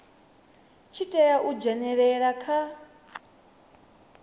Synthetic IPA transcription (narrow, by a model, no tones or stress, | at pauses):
t͡ʃʰitʼɛjaʔud͡ʒɛnɛɺɛɺakʰa